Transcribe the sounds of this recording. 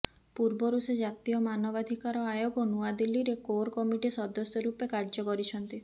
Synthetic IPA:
puɾbɔɾused͡ʒat̪ijɔmanɔbad̪ʱikaɾɔajoɡɔnuad̪ilːiɾekoɾkɔmiʈisɔd̪ɔsjɔɾupekaɾd͡ʒɔkɔɾit͡ʃʰɔnt̪i

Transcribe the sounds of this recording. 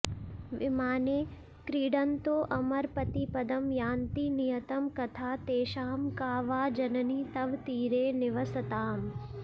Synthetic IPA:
ʋɪmaːneː | kɾiːɖɐnt̪oːʔɐmɐɾpɐt̪ipɐd̪ɐmjaːnt̪inijɐt̪ɐmkɐt̪ʰaːt̪eːʃaːmkaːʋaːd͡ʒɐnɐniːt̪ɐʋt̪iːɾeːnɪʋɐsɐt̪aːm

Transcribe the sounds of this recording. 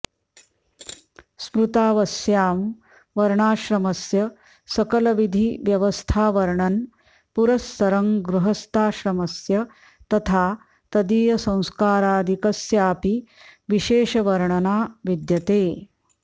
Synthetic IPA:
spɾut̪aːʋɐsjaːm | ʋɐɾɳaːʃɾɐmɐsjɐ | sɐkɐlɐʋid̪ʱiʋjɐʋɐst̪ʰaːʋɐɾɳɐn | puɾɐsːɐɾɐŋɡɾuɦɐst̪ʰaːʃɾɐmɐsjɐ | t̪ɐt̪ʰaː | t̪ɐd̪iːjɐsɐ̃w̃skaːɾaːd̪ʱikɐsjaːpiʋiʃeːʃɐʋɐɾɳɐnaːʋid̪jɐt̪eː

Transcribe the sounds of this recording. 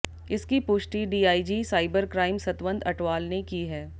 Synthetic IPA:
ɪskipʊʃʈiɖiːaːid͡ʒiːsaːɪbəɾkɾaːɪmsɐt̪ʋə̃nd̪ɐʈʋaːlnekiːɦɛː

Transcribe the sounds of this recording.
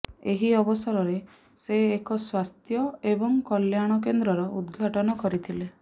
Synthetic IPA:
eɦiɔbɔsɔɾɔɾe | seːkɔswast̪ʰjɔebɔŋkɔljaɽ̃ɔk̬end̪ɾɔɾɔud̪ɡʱaʈɔnɔkɔɾit̪ʰile

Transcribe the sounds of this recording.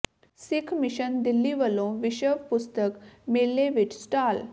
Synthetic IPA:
sɪkʰmɪʃənd̪ɪlːiʋəlõːʋɪʃəʋpʊst̪əkmeːlːeʋɪt͡ʃsʈaːl

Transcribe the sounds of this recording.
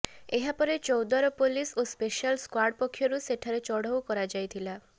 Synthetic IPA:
eɦapɔɾet͡ʃɔwd̪aɾɔpolisospeʃalskwaɾɖpɔkʰːjɔɾuseʈʰaɾet͡ʃɔɽ̤ɔwkɔɾad͡ʒajt̪ʰila

